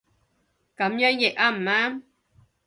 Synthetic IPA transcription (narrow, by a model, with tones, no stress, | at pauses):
ka˨˦mjɔ˦njɛ˨ʔa˦˨m̩˨ma˦